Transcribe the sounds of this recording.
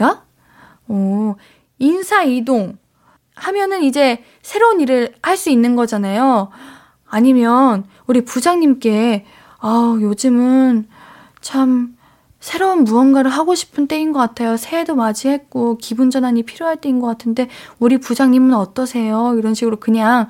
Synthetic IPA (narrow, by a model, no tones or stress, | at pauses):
a | ʌ | insʰaidoŋ | hamjʌnɯnid͡ʑe̞ | sʰe̞ɾouniɾɯɾhaɭs͈uinːɯnɡʌd͡ʑanajo | aɲimjʌn | uɾipud͡ʑaŋɲimk͈e̞ | ajod͡ʑɯmɯn | t͡ɕʰam | sʰe̞ɾounbuʌnɡaɾɯɭɦaɡoɕʰi̥pʰɯnt͈e̞inɡʌk͈atʰejosʰe̞edomad͡ʑiɦe̞k̚k͈okibund͡ʑʌnɦaɲipʰiɾjoɦaɭt͈einɡʌk͈atʰɯnde̞uɾipud͡ʑaŋɲimunʌt͈ʌsʰe̞joiɾʌnɕʰiɡɯɾokɯɲaŋ